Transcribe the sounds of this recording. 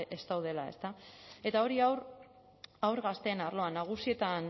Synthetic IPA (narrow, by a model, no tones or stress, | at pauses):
ʔe̞st̪awð̞e̞lae̞st̪ae̞t̪ao̞ɾiawɾ | awɾɣast̪e̞ːnarlo̞anːaɣ̞usie̞t̪an